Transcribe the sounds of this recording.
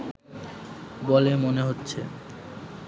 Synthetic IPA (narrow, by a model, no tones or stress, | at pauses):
bolemoneɦotːɕʰe